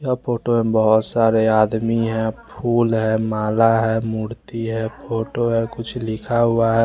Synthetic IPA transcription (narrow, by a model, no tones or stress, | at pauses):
apʰoːʈoẽbəɦɔt̪saːɾeaːd̪miɦɛ̃pʰuːlɦɛ̃maːlaɦɛmuːɾt̪iɦɛpʰoːʈoɦɛ̃kʊt͡ʃʰlɪkʰaɦʊaɦɛ